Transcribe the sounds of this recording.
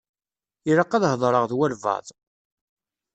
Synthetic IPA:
iɾəqːɑðhəðˤɾˤəʁðwælvɑ̰ðˤ

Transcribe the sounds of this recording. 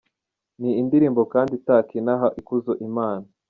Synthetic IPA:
niːndiɾiːmbo̞kaːnditaːkinaɦaʔikuzoʔimaːna

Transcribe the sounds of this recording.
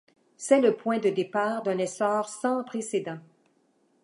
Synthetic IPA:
sɛləpwɛ̃d̪əd̪epaːʁd̪ɛ̃nɛsɔːʁsɑ̃pχesed̪ɑ̃

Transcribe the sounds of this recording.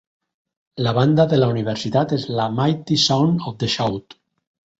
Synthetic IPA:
laβ̞and̪aðelauniβ̞eɾsit̪at̪ezlamajt̪isawnofd̪eʃawt̪

